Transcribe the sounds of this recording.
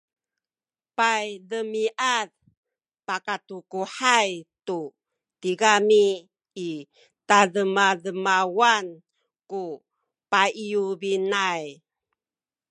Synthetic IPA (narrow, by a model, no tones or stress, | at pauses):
pajðəmiʔað | pakatukuħajtu | tiɡamiː | taðəmaðəmawan | ku | paijubinaj